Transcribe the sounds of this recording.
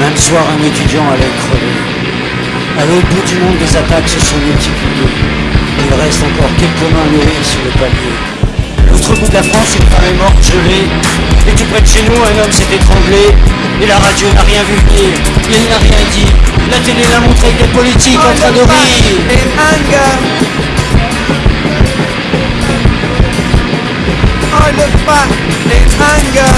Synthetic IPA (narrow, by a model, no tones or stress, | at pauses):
mɛ̃mswaʁɛ̃net̪yd̪jɑ̃alɛkχɔvḛ | alobud̪ymɔ̃d̪ːezat̪aksəsɔ̃mylt̪iplije | ilʁɛst̪ɑ̃kɔʁkʲɛlkəmɛ̃neisyʁləpalje | lot̪χəbud̪lafχɑ̃silpaʁlɛmɔʁt̪ʒəle | et̪upχɛd̪əʃenuɛ̃nɔmsɛt̪ɛt̪χɑ̃ble | elaʁad̪jonaʁjɛ̃vyiʁ | ilnaʁjɛ̃d̪ilat̪elelamɔ̃t̪χekd̪epɔlit̪ikɑ̃t̪χɛ̃d̪əʁiʁeɛ̃ɡ | ləpa | eaɡ